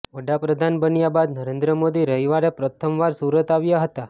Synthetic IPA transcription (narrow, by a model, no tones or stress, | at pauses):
ʋəɽapɾəd̪ʱanbənjabad̪nəɾend̪ɾəmod̪iɾəɦiʋaɽepɾət̪ʰəmʋaɾsuɾət̪aʋjaɦət̪a